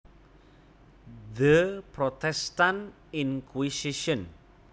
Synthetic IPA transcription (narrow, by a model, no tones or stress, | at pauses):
dəpɾot̪ɛstan | inkwisiʃən